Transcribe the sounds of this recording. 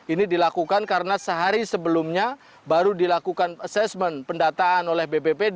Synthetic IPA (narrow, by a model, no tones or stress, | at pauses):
inidilakukankaɾənasəɦaɾisəbəlʊmɲa | baɾudilakukanasɛsmɛnpəndat̪aːnolɛhbebebe